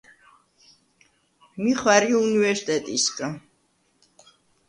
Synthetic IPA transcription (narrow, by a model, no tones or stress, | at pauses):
miχwaɾiunivɛɾsi̥t̪ʼɛt̪ʼiskʼa